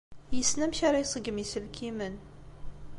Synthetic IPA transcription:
jəsnæmçaɾˤɑjsˤəɡəmisəlkʰimən

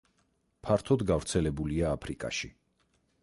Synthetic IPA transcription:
pʰaɾt̪ʰɔd̪ɡavɾt̪sʰɛlɛbuliaːpʰɾikʼa̰ʃi

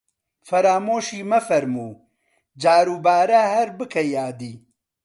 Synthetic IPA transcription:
fɐɾaːmoːʃiːmɐfɐɾmuː | d͡ʒaːɾuːbaːɾɐhɐɾbɨkʰɐjaːd̪iː

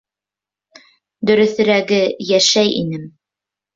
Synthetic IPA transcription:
d̪ɵ̆ɾɵ̆θɘ̆ɾæɡɘjæʃæjḭnɘm

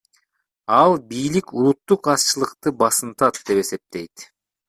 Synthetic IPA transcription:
ɑlˠbijlikulˠut̪ːuqɑst͡ʃɯlˠɯqt̪ɯbɑsɯnt̪ɑt̪̚d̪e̞pe̞se̞p̚t̪e̞jt̪

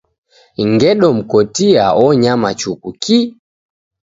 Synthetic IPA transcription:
ŋɡɛɗɔm̩kɔtia̰ɔɲamat͡ʃukuki

